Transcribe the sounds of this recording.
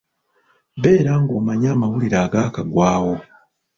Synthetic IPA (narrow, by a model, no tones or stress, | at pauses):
βe̞ːɾaːŋɡo̞ːmaɲaːmawuliɾaːɡaːkaɡwaːwo̞